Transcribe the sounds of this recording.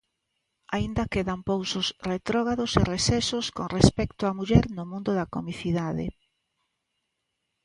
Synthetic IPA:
aind̪akeðampowsʊsret̪ɾɔɣaðʊseresɛsʊskoŋrespɛkt̪ʊamuʎɛɾnʊmũnd̪ʊðakomiθiðaðḛ

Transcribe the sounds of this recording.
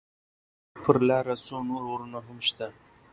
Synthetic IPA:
pʰəɾlɑɾat͡sonoɾoɾunaɦamʃt̪a

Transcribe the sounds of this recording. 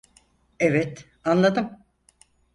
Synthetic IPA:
evɛt̪ | anlˠad̪ɯm

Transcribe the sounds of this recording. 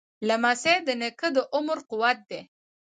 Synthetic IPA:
lamased̪ənekəd̪əʔʊməɾqʊwat̪̚d̪e

